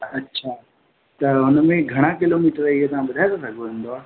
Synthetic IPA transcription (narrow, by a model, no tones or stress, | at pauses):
ɐtːɕʰaː | t̪ɐʊnmẽɡʱɐɽ̃akɪloːmiːʈəɾiet̪ɐʋ̤ãɓɐd̪ʱaːet̪osɐɡʱoʋẽːn̆d̪oaː